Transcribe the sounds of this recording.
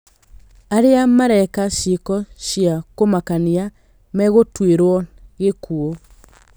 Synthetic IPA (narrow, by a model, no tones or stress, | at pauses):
aɾeamaɾɛkaʃekɔʃiakomakania | mɛɣotweɾwɔɣekuo